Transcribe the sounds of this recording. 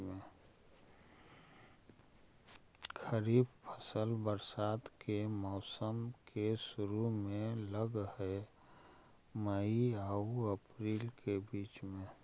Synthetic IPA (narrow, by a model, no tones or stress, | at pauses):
mẽ | kʰəɾiːbpʰəsəlbəɾsaːt̪kemɔʊsəmkeʃʊɾumẽləɡɦɛ | məiəuəpɾiːlkebiːt͡ʃmẽ